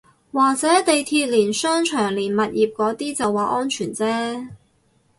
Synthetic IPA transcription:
waː˨k̚t͡sɛː˨˥t̪e˨jt̪ʰiː˧t̚liː˨˩nsœː˥ŋt͡ʃʰœː˨˩ŋliː˨˩nmɐ˨t̚jiː˨p̚kɔː˨˥t̪iː˥t͡sɐ˨wːaː˨˩ʔɔː˥nt͡ʃʰyː˨˩nt͡sɛː˥

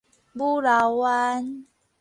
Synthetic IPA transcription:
bu˦ɾa˨wa˦n

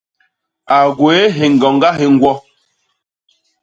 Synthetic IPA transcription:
a˨ɡwe˨˦ɦe˨ŋ̩˨ɔ˨ŋ˦ɡa˦ɦe˨ŋ̩˦ɡwɔ˦

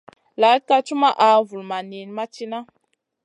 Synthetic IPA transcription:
la˨˦t̚ka˦t͡ʃu˦ma˦ʔa˨˦vu˨lma˨ni˨n˦ma˦t͡ʃi˦na˦

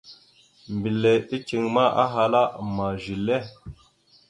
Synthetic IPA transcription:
mbi˨le˨i˦t͡ʃi˨ŋma˦ʔa̰˦ɦa˨la˦ma˨ʒi˨le˦˨

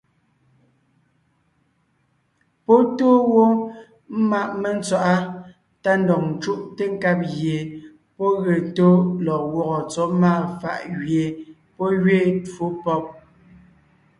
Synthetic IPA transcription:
po˦toː˦wo˦ | m̩˦ma˦ʔme˨n̩˦t͡swa˦ʔa˦ | ta˦n˦dɔ˨ŋn̩˨t͡ʃu˦ʔte˦ŋ˦ka˦p̬̚ɣje˨ | pɔ˦ɣe˨to˦lɔ˨wɔ˦ɣɔ˨t͡sɔ˨˦maː˦˨fa̰˨ʔɣɥje˨ | pɔ˦ɣɥe˦˨two˦pɔ˦˨p̚

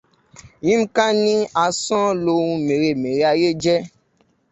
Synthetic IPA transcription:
jĩ˦m̩˦kã˦nĩ˦a˨˧sɔ̃˦lo˧wũ˧mẽ˨ɾe˨me˨ɾe˨˦a˧je˦d͡ʒɛ˦

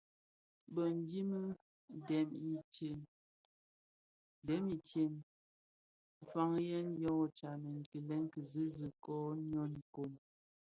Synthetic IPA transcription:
bə˨n˦di˦m˦ | dɛ˨mi˦te˨n˦ | dɛ˨˦mi˨te˨n˨ | fa˦ŋjɛ˦njɔ˦ŋ˨t͡ʃa˨mɛ˨ŋ˨ki˨lɛ˦ŋ˦kə˨zi˦zə˨kɔ˦ɲɔ˦n˨ko˨n

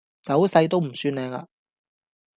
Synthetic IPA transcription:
t͡sɐ˨˥wsɐ˧jt̪o˥wm̩˨˩syː˧nlɛː˧ŋa̰ː˧

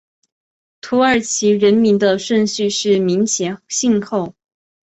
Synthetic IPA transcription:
t̪ʰu˧˥ə˞˨˩t͡ɕʰi˧˥ɻə˧˥nmi˧˥nd̪ə˧ʂwə˥˧nɕy˥˧ʂɻ̩˥˩mi˧˥ŋt͡ɕʰjɛ˧˥ɕi˥˧ŋkʰo˥˩ʊ

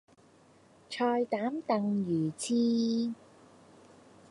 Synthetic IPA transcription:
t͡ʃʰɔː˧jt̪aː˨˥mt̪ɐ˨˧ŋjyː˨˩t͡sʰiː˧

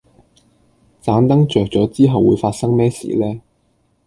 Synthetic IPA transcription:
t͡saː˨˥nt̪ɐ˥ŋt͡ʃœː˨k̚t͡sɔː˨˥t͡siː˥ɦɐ˨wːuː˨˧jfaː˧t̚sɐ˥ŋmɛː˥sḭː˨lɛː˥

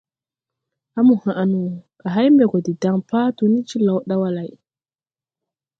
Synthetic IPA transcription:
ʔa˦mu˨ha˨ʔa˨nu˨ka˨ɦa˦jmbɛ˨kɔ˨di˨da˨ŋpa˦tu˨ni˦t͡ʃi˦la˨wɗa˦wa˦la˨j

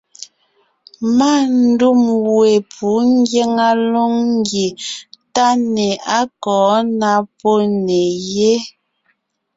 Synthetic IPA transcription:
ma˦˨n̩˦du˦˨mwe˨pʰu˨˦ŋ˦ɡje˦ŋa˦lo˦ŋŋ˦ɡje˨ta˦ne˨a˦kɔː˨˦na˦po˦ne˨je˦

